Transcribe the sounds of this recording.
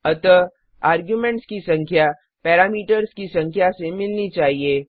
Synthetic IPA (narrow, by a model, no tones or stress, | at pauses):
ɐt̪ə | aːɾɡjumẽɳʈskisɐ̃ŋkʰja | pɛːɾaːmiːʈəɾskisɐ̃ŋkʰjasemɪlnit͡ʃaːɦieː